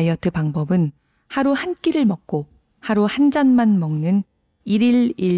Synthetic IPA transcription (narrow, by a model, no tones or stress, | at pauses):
iʌtʰɯpaŋbʌbɯn | haɾuhank͈iɾɯɭmʌk̚k͈o | haɾuhand͡ʑanmanmʌŋnɯn | iɾiɭiɭ